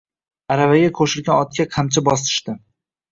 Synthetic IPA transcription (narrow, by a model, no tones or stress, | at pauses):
aɾavaɡʲakʰoʃɪɾɡʲanɒt̪̚kʲaqʰamt͡ʃʰabɒs̬ɪ̥ʃt̪ɪ